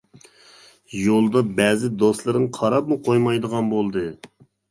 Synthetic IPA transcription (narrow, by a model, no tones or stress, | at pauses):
jolˠd̪ɑbɛzɪd̪oslˠɨɾɨŋqʰɑɾɑp̚muqʰojmɑjd̪əʁɑnbolˠd̪ɨ